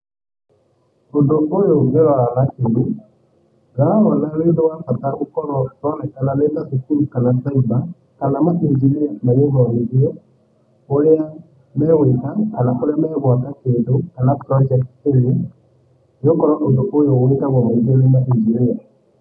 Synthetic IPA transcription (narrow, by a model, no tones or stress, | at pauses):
ondoʔojoɣeɾaalakeɾu | ɣaɔnaleːndowafataokɔɾɔtɔnɛkanaleːdasukuɾukanataiba | kanamaʔid͡ʒiɾiamajeβɔɾeɾiɔ | oɾea | mɛːwekakanaʔoɾeamɛːβwakakeːndokanapɾɔd͡ʒɛk̚teɾe | okɔɾɔʔondoʔojowekaβɔmaizeɾemaʔid͡ʒiɾia